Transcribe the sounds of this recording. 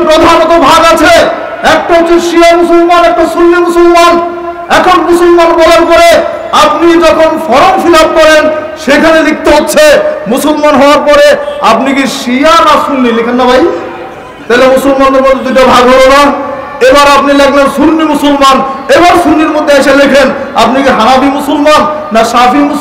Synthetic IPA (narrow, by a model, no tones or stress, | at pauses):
pɾod̪ʱanot̪obʱaɡat͡ɕʰe | ɛk̚ʈaotit̪ʃiamusulmanɛk̚ʈaʃuɾːimusolman | ɛkʰonmusulmanbɔlaɾpɔɾe | ap̚nid͡ʑɔkʰonfɔɾomfilap̚kɔɾenʃekʰaned̪ik̚t̪eɦotːɕʰemusulmanɦɔoaɾpɔɾeapnikiʃianasuɾnilikʰenːabʱaj | t̪ajlemusulmanoɾmod̪ʱd̪iʈ̬abʱaɡɦolona | ebaɾap̚nilɛkʰlensuɾnimusulmanebaɾsuɾniɾmod̪ʱːeaʃelekʰen | ap̚nikiɦaɾabimusulmanː | aʃafimu